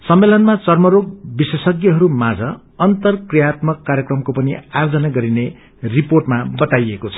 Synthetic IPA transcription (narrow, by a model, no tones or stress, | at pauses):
sʌmːelʌnmat͡sʌrmʌɾoɡ̚bisesʌɡjʌɦʌɾumad͡zʌ | ʌnt̪ʌrkrijat̪mʌkːaɾjʌkrʌmkopʌniard͡zʌnaɡʌɾine | riporʈmabʌt̪ajekot͡sʰʌ̥